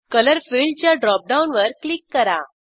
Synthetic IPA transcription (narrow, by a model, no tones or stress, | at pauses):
kələɾfilt͡ɕjaɖɾɔp̚ɖaunʋəɾklikːəɾa̰